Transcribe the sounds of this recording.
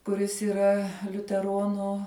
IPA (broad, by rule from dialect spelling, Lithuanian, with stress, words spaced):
kʊˈrʲɪs iːˈrɐ lʲʊtʲɛˈroːnʊ